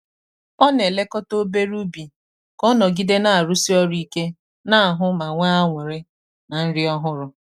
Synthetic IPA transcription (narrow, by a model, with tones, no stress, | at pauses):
ɔ˦ne˨le˦kɔ˦to˦be˦ɾu˦bi˨ | kɔ˦nɔ˨ɡi˦de˦na˨a˨ɾu˦si˦ɔ˦ɾi˦ke˦ | na˦a˨ɦʊ˦ma˨ŋʷa˦a˦ŋʷe˨ɾɪ˦ | na˨n̩˦ɾɪ˦ɔ˦ɦʊ˦ɾʊ˦